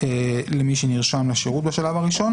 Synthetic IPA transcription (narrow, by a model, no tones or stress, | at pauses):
elemiʃeniʁʃamleaʃeʁut̪̚baʃalavaʁiʃo̞n